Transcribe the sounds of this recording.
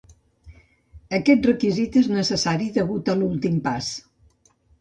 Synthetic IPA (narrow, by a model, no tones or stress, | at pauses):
əkɛt̪̚rəkizit̪eznəsəsaɾiðəβut̪əlulˠt̪impas